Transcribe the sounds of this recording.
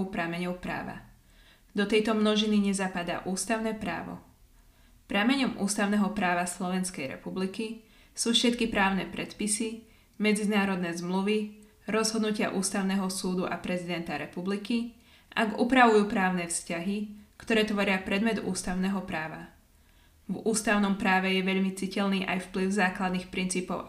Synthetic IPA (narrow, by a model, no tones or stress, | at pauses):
ʊpɾamɛɲɔʊpɾa̰ːʋa̰ | d̪ɔt̪ɛjt̪ɔmnɔʒiniɲɛzapad̪a̰ʔuːst̪aʊnɛːpɾa̰ːʋɔ̰ | pɾaːmɛɲɔmʔṵːst̪aʊnɛɦɔpɾaːʋaslɔʋɛnskɛjɾɛ̰publiki | suːfʃɛt̪kipɾaːʊnɛpɾɛt̪pisi | mɛd͡zinaːɾɔd̪nɛzmluʋi | ɾɔzɦɔd̪nucɪa̰ʔuːst̪aʊnɛɦɔsuːd̪uʔa̰pɾɛzid̪ɛnt̪aɾɛpubliki | ʔaɡupɾaʋujupɾaːʊnɛfscaɦikt̪ɔɾɛːt̪ʋɔɾɪapɾɛd̪mɛd̪ṵːst̪aʊnɛɦɔpɾaːʋa̰ | vuːst̪aʊnɔmpɾaːʋɛjɛʋɛʎmit͡sicɛʎniːʔajfpliʊzaːklad̪nixpɾint͡siːpɔʊ